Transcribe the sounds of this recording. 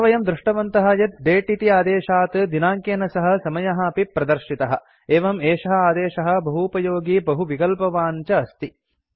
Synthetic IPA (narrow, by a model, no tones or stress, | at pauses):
ʋɐjɐmd̪ɾuʂʈɐʋɐnt̪ɐɦɐjɐt̪̚ɖeːʈiʈiaːd̪eːʃaːt̪d̪inaːŋkeːnɐsɐɦɐ̆sɐmɐjɐɦɐɐpipɾɐd̪ɐɾʃit̪ɐɦɐ̆ | eːʋɐmeːʂɐɦɐaːd̪eːʃɐɦɐ̆bɐɦupɐjoːɡiːbɐɦuʋikɐlpɐʋaːɲt͡ʃɐːst̪i